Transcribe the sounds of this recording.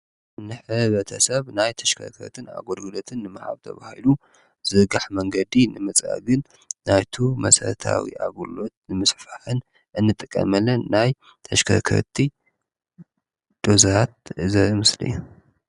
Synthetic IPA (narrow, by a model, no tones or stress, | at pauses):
nɨħɨβɐt̪ʰɐsɐβnajt̪ʰɐ̥ʃkʰɐ̰kʰɐ̰ɾt̪ʰɨna̰ɡolɡɨlo̞t̪ʰɨnːɨmaħa̰βt̪ʰɐ̰βahilu | z̥ɨɡaħmɐŋɡɐd̪inɨmɨt͡sʼa̰ɡɨnː | ajt̪ʰumɐ̰sɐɾɐt̪ʰa̰wḭʔaɡulo̞t̪̚nɨmɨsfaħɨn | ʔɨnːɨt̪ʼɨkʼːɐ̰mɐlːɐnaj | t̪ʰɐʃkʰɐkʰɐ̰ɾt̪ʰi | d̪̥o̞zaat̪̚zɐɨmɨslɨ̰jːu